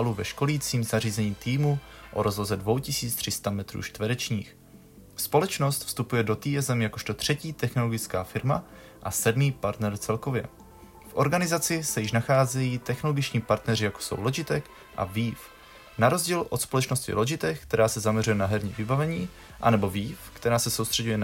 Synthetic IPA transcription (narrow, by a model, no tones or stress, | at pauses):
aluvɛʃko̞liːt͡siːmzariːzɛɲiːt̪iːmuʔo̰ɾo̞zlozɛdvo̞wcɪsiːt͡st̪r̥ɪst̪amɛt̪ɾṵːt͡ʃt̪vədɛt͡ʃɲḭːx | spo̞lɛt͡ʃno̞st̪fst̪upujɛdo̞t̪iːɛzɛmjakoʃt̪o̞t̪r̝̥ɛciːt̪ɛxno̞lo̞ɡɪt͡skaːfɪɾma | ʔasɛdmiːpaɾt̪nɛɾt͡sɛlko̞vjɛ̰ | fʔo̞ɾɡanɪzat͡sɪsɛjɪʃnaxaːzɛjiːt̪ɛxnoloɡɪt͡ʃɲiːpaɾt̪nɛrɪjako̥so̰wlod͡ʒɪt̪ɛk | ʔa̰viːf | naɾo̞zɟiːlʔo̞t̪spo̞lɛt͡ʃno̞scɪ̰loʒɪt̪ɛkkt̪ɛɾaːsɛzamɲɛrujɛnaɦɛɾɲiːvɪbavɛɲiː | ʔa̰nɛbo̞viːfkt̪ɛɾaːsɛso̞wst̪r̝̥ɛɟujɛn